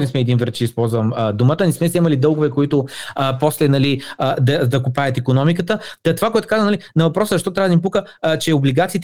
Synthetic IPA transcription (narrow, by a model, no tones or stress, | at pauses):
nɛsmɛːd̪invɾət̪t͡ʃɛispɔlˠzvɐməd̪umət̪ənɛsmɛsɛmɐlid̪ɤlˠɡʊvɛkoit̪ʊpɔslɛnɐlid̪ɐd̪ɐkupaət̪ikonɔmikət̪ət̪ɐt̪ovakoɛt̪ʊ̥kazənɐlinɐvɐpɾɔsəzəɐʃt̪ɔt̪ɾavəd̪mip̬ukət͡ʃɛobliɡat̪siːt̪